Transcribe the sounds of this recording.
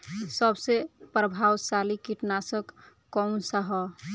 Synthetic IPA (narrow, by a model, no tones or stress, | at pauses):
səbsepɾəbʱawsalikiʈnasək | kːɔmsaɦɔ